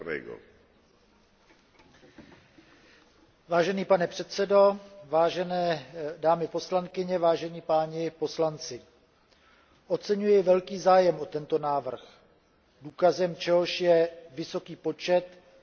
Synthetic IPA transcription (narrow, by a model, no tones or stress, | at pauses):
ɛ̰ɡo̰ | vaːʒɛniːpanɛpr̝̥ɛt̪t͡sɛdo̞vaːʒɛnɛːdaːmɪpo̞slankɪɲɛvaːʒɛniːpaːɲɪpo̞slant͡sɪ | ʔo̞t͡sɛɲujɪvɛlkiːzaːjɛmʔo̞t̪ɛnt̪o̞naːvr̩x | duːkazɛmt͡ʃɛɦo̞ʃjɛvɪso̞kiːpo̞t͡ʃɛt̪